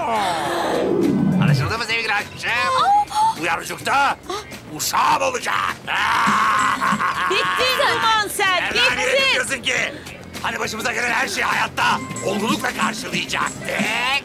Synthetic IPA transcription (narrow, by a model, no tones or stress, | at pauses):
a̰naʃ̬ɯmzamazeiɡiɾaʃmiʃɛ | ujaɾud͡ʒuk̚t̪ʰa | uʃaːbo̞lˠud͡ʒa̰knɛ | biiɡazmansæɛniɾejos̬ɯɲci | hanibaʃɯmɯzaɟelʲænhæɾʃejhajat̪ːaolˠulˠuklˠakʰaɾʃɯlˠɯjɯd͡ʒa̰k